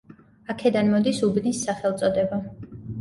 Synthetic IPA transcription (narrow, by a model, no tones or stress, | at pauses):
akʰɛd̪anmɔd̪isubnisːaχɛlˠt̪sʼɔd̪ɛba